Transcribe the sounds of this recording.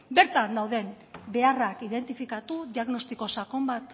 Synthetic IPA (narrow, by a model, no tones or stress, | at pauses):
be̞ɾt̪and̪awðe̞m | be̞arakiðe̞nt̪ifikat̪uðiaɣno̞st̪iko̞sako̞mbat̪